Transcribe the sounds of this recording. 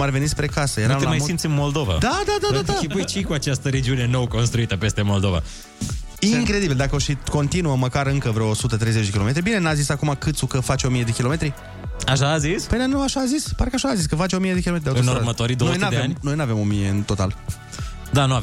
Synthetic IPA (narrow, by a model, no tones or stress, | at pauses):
aɾeve̞nispɾe̞kasəjeɾamlamajsimt̪simmo̞ld̪o̞va̰d̪ad̪ad̪ad̪ad̪aiəjt͡ʃekuat͡ʃast̪əɾed͡ʒiune̞nowko̞nst̪ɾuit̪əpe̞st̪e̞mo̞ld̪o̞va̰ | iŋkɾe̞d̪ibild̪akəoʃiko̞nt̪inuəməkaɾɨŋkəvɾeoːsut̪ət̪ɾe̞jzet͡ʃd̪ekʲiloe̞t̪ɾibine̞nazisakumakɨt̪sukəfat͡ʃeo̞mije̞d̪e̞kʲilo̞me̞t̪ɾi | aʃaːzispenanowaʃaːzispaɾkəaʃaːziskəfat͡ʃeo̞mije̞d̪ekʲileɾd̪aɨuɾmət̪oaɾid̪ononead̪eveamʲno̞jnuave̞mo̞mije̞ɨnt̪o̞t̪a̰l | d̪anua